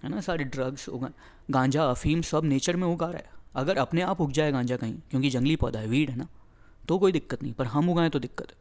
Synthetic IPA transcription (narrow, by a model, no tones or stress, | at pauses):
ɦɛ̰ːnasaːɾeɖɾɐɡz̥ʊ̰ɡaːe | ɡãːɲd͡ʒaɐfiːmsɐbneːt͡ʃəɾmẽʊɡaːɾa̰ːɦɛ̰ɐɡəɾɐpneaːpɦʊkd͡ʒaːɛɡãːɲd͡ʒakɐɦḭ̃kjõːkid͡ʒɐ̃ŋɡlipɔ̰ːd̪aɦɛʋiːɽɦɛːnaː | t̪okoːid̪ɪkːət̪nɐɦĩpɐɾɦɐmʊɡãːẽt̪od̪ɪkːət̪ɦɛː